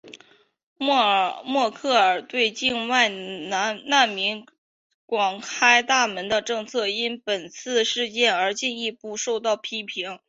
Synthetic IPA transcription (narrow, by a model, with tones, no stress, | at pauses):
mwɔ˥˧kʰɤ˥˩ə˞˨˩t̪we˥˧ɪt͡ɕi˥˧nwa˥˩ɪna˧˥na˥˩nmi˧˥n | kwɑ˨˩ŋkʰa˥ɪt̪a˥˩mə˧˥nd̪ə˧ʈ͡ʂɤ˥˧ŋt͡sʰɤ˥˩i˥npə˨˩nt͡sʰɹ̩˥˧ʂɻ̩˥˧t͡ɕjɛ˥˩nə˞˧˥t͡ɕi˥˧ni˥˧pu˥˩ʂo˥˧ʊt̪ɑ˥˩ʊpʰi˥pʰi˧˥ŋ